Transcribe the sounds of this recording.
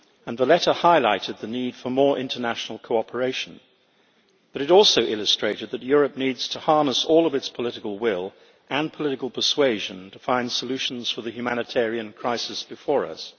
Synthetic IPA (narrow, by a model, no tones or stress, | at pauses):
ɨ̃nðəlɛɾə˞haɪla̰ɪɾɨd̪̚ðɨnid̥fə˞mɔɹʔɪ̰̃ntʰə˞næʃn̩l̩ˠkʰoʊɑpʰə˞eɪʃn̩ | b̥ʌɾɨɾɔlˠsoʊʔɪlˠɨstɹ̥eɪɾɨd̪̚ðɨt̚jʊɹɨp̚nidz̥tʰəhɑɹnəsɔlˠʌvɨtspʰəlɪɾɨkəl̩ˠwɪlˠ | ʔɨ̃npʰəlɪɾɨkl̩ˠpʰə˞sweɪʒɨ̃ntʰəfãɪ̃nd̥səlʉʃn̩z̥fə˞ðɨhjʉmænɨtʰɛɹiɨ̃nkʰɹ̥aɪsɨsb̥ɨfɔɹʌ̰s